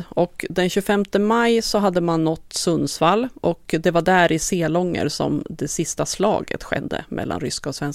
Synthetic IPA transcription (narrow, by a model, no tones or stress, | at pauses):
ɔkd̪ɛnɕʉfɛmt̪əmajsɔɦad̪ːəmanːɔt̪ːsɵnːsfalːʔɔkd̪ɛvaɖæɾɪseːlɔŋːə̰ɾsɔ̰md̪ɛsɪst̪aslɑ̰ːɡə̰t̪ɧɛ̰d̪ːə̰mʔɛ̰lːʔa̰nɾʏskaɔsvɛns